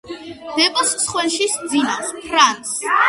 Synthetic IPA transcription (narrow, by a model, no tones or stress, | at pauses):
d̪̥ɛpʼassχwɛnʃisd̪zinapʰɾans